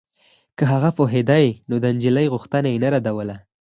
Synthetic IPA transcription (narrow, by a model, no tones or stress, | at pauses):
kəɦaɣafoɦɪd̪ajinod̪ənd͡ʒɪləjɣʊxt̪ənajenaɾad̪awəla